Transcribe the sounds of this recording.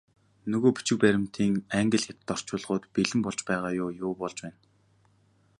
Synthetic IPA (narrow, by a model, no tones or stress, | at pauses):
nɵɣoːpi̥t͡ɕɪ̆k̚pæɾʲɪ̆m̥t̪ʰiːŋæŋɡə̆ɮxʲat̪t̪ːɔr̥t͡ɕʊːɮʁʊːt̪piɮɘ̆mpɔɮt͡ɕpæːʁaːjʊːjʊːpɔɮt͡ɕpæːn